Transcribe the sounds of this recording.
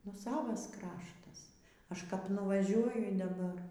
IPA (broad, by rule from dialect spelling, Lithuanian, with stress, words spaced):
nʊ ˈsɑːʋɐs ˈkrɑːʃtɐs ˈɐʃ kɐp nʊʋɐˈʒʲuɔjʊ dɐˈbɐr